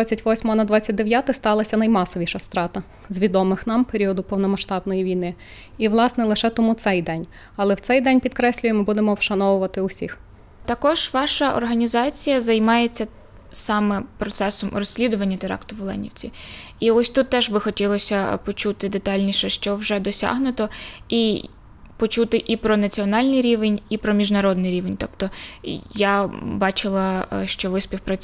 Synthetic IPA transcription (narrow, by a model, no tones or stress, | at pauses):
t͡sʲːɐtʲʋɔsʲmɔɐnɐd̪ʋɑt͡sʲːɐt̚ʲd̪eʋjat̪ɪst̪ɑlˠɐsʲɐnɐjmɑsɔʋʲiʃɐst̪ɾɑt̪ɐ | zʲʋʲid̪ɔmɪxnɑmpeɾʲiɔd̪ʊpɔwnɔmɐʃt̪ɑbnɔjiʋʲijnɪ | iʋlˠɑsnɛlˠɪʃɛt̪ɔmut̪sɛjd̪ɛnʲ | ɐlˠɛwt̪sɛjd̪ɛnʲpʲid̪kɾɛsʲlʲʊjemɪbud̪emɔwʃɐnɔʋʊʋɐt̪ɪʊsʲix | t̪ɐkɔʒʋɑʃɐʔɔ̰rɦɐnʲizɑt͡sʲijɐzɐjmɑjet͡sʲːɐ | sɑmɛpɾɔt̪sɛsɔmrɔsʲlʲid̪ʊʋɐnʲːɐt̪eɾɑ̰kt̪ʊʋlˠɛ̰nʲḭwt͡sʲḭiɔsʲt̪ut̪ːɛʒbɪxɔtʲilˠɔsʲɐpɔt͡ʃut̪ɪd̪et̪ɑlʲnʲiʃɛʃt͡ʃɔwʒɛd̪ɔsʲa̰ɦnʊt̪ɔi | pɔt͡ʃut̪ɪʔipɾɔnɐt͡sʲiɔnɑlʲnɪjɾʲiʋenʲipɾɔmʲiʒnɐɾɔd̪nɪjɾʲiʋenʲt̪ɔpt̪ɔjabɑt͡ʃɪlˠɐʃt͡ʃɔʋɪsʲpʲiwpɾɐt͡sʲ